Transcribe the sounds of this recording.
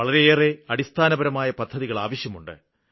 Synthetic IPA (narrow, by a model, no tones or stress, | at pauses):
ɐɭɐɾe̞eːre̞ɐɽist̪ʰaːnɐbɐɾɐmaːjɐpɐd̪ʱːɐðiɣɐɭa̰ːʋɐɕjɐmuɳɖɨ̰